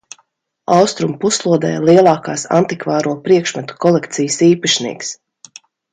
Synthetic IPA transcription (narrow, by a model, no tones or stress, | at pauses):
awst̪ɾumpuslˠuɔd̪ɛ̰ːjlˠiɛlˠɑːkaːsa̰nt̪ikvaːɾuɔpɾiɛkʃmat̪u̥kɔlˠɛkt̪sijəsiːpaʃnḭːks